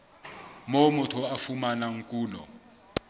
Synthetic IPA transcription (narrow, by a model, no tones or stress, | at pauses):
momutʰuafumanaŋ̩kʼuːlɔ̰